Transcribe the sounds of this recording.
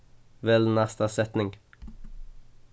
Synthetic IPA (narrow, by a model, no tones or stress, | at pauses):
ʋɛlnæst̪asɛt̪nɪŋ